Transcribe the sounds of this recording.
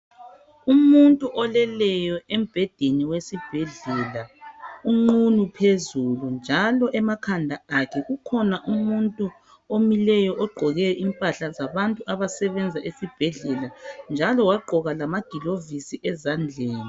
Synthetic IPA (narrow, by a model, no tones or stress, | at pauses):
umuntʼuʔɔlɛlɛjɔʔem̩b̥ʱɛd̥ʱeniwesib̥ʱɛɮɛlauŋ͡ǃunupʰezulund͡ʒʱalɔʔɛmakʰandʱaakʰɛɣukʰɔnaʔumuntʼu | omilɛjɔʔɔɡ͡ǃʱɔɣɛʔimpʼaɬazaβantʼuaβasɛβɛnd͡zʱaʔesib̥ʱɛɮɛland͡ʒʱalɔwaɡ͡ǃʱɔɣalamaɡ̥ʱilovisiʔɛzand͡ɮʱɛːni